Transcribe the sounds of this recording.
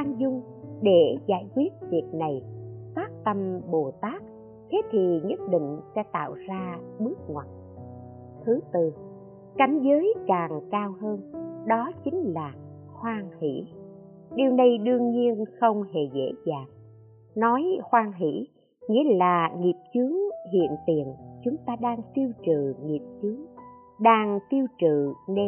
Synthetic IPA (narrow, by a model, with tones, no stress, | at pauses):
ʔaː˧nzʊ˧ŋ͡m | ɗe˧˩za̰ː˧˩jkwi˦˥ət̚vi˨˩ək̚na˨˩jfaː˦˥k̚t̪ə˧mɓo˨˩t̪aː˦˥k̚ | t̪ʰe˨˦t̪ʰi˨˩ɲə˦˥t̚ɗḭ˧˨ŋ̟sɛ̰˧˥t̪a̰ː˧˨wzaː˧ɓɨ˦˥ək̚ŋwa˨˩t̚ | t̪ʰɨ˨˦t̪ɨ˨˩ | ka˨˦jŋ̟zəː˨˦jkaː˨˩ŋkaː˧whəː˧nɗɔ˨˦t͡ɕï˨˦ŋ̟laː˨˩ | xwaː˧ŋhḭ˧˥ | ɗi˨˩əwnə˧jɗɨ˧əŋɲi˧ənxə˧wŋ͡mhḛ˧˩zḛ˧˥zaː˨˩ŋ | nɔ˨˦jxwaː˧ŋɦḭ˧˥ | ŋḭ˧˥əlaː˨˩ŋi˨˩əp̚t͡ɕɨ˨˦əŋɦḭ˧˨ənt̪i˨˩ənt͡ɕʊ˨˦ŋ͡mt̪aː˧ɗaː˧ŋt̪i˧əwt͡ɕɨ˧˨˩ŋi˨˩əp̚t͡ɕɨ˨˦əŋ | ɗaː˧ŋt̪i˧əwt͡ɕɨ̰˧˨ne˧